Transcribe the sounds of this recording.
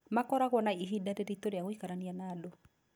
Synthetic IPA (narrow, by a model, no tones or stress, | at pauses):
makɔɾaɣwɔnaiɦidaɾeɾitoɾeaŋwikaɾanianado